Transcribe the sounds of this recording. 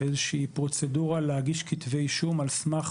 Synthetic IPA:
ezeʃiːpʁo̞t͡seduʁalehaɡiʃkit̪ve̞jʃumalsmaχ

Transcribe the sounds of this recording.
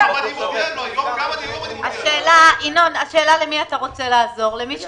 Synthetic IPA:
aʃeːlaʔino̞naʃe̞ːlalemiataʁo̞t͡se̞laːzo̞ʁle̞miʃ

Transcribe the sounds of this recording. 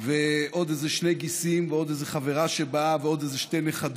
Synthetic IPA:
veʔod̪ezeʃnejɡisimveod̪ezeχaveʁaʃebaveod̪ezeʃtejneχad̪

